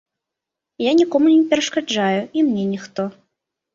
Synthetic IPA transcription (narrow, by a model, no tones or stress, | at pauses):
janʲikɔmunʲɛpʲɛɾɐʂkad͡ʐajuimnʲɛnʲixt̪ɔ